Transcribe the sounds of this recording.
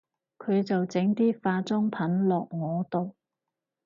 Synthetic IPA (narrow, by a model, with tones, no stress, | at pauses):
kʰɵ˨˧ɥt͡sɐ˨wt͡sɪ˨˥ŋt̪iː˥faː˧t͡sʊ˥ŋpʰɐ˨˥nlɔː˨k̚ŋɔː˨˧t̪o˨w